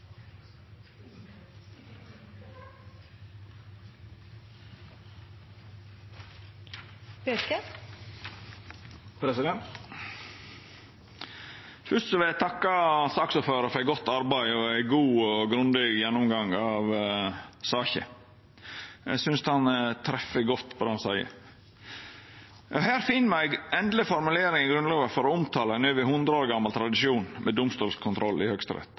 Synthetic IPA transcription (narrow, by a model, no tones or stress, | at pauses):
økə | pʰɾɛsɪd̪ɛnt̪ | fʏʂt̪sɔʋɪlæɪt̪ʰɑkːɑsɑːksuːføːɾəfɔɾæɪɡɔt̪ːɑɾbæɪɔæɪɡuːɔɡɾʉnd̪ɪɡjɛnːʊmɡɑŋɑʋ | sɑːçə̰ | æ̰ɡsʏnst̪hɑnt̪ʰɾɛfːəɡɔt̪ːbɔd̪əhɑnsæɪə̰ | ɑhæːɾfɪnːmæɪɡɛnd̪lɪfɔɾmʉleːɾɪŋɪɡɾʉnlɑːʋəfɔɾɔʊmt̪ʰɑːləɛnøːʋɪhʉnd̪ɾəoːɾɡɑmːɑlt̪ʰɾɑd̪ɪʃuːnmʔɛd̪ʊmst̪uːlskʰʊnt̪ʰɾɔlːɪhœkst̪ɾɛ̰t̪